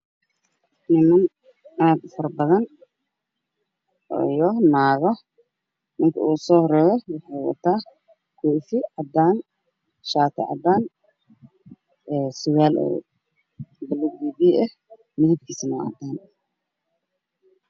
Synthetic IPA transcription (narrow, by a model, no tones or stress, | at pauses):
nɪmɐn | ʔaːd̪fɐrbɐðɐn | ɔ̰jɔnaːɣɔ | nɪŋkʰɐ̰uːsɔːhrɛːjɔwɑħɑjwɑ̰t̪ʰaː | kʰuːfɪʕɑd̪aːn | ʃaːt̪ʰɛ̰ʕɑ̰d̪aːn | ɛːsʊwaːlɛ̰ː | bɐlɪɡiːβiʔɛ | mɪðib̚kʰiːsɐnʊʕɑ̰d̪aːn